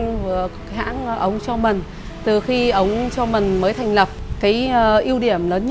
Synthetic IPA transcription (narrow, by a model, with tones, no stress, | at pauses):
ŋvɨ˨˩ə˨˦ha̰ː˧˥nʔə˨˦wŋ͡mt͡ɕɔ˧mï˨˩ŋ̟ | t̪ɨ˨˩xi˧ʔə˨˦wŋ͡mt͡ɕɔ˧mï˨˩ŋ̟məː˨˦jt̪ʰa˨˩jŋ̟lə˨˩p̚kaː˨˦jʔi˧əwɗi˧˩əmləː˨˦nɲ